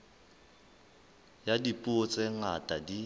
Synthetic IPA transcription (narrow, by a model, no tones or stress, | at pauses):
jadipʼʊt͡sʼeŋatʼadi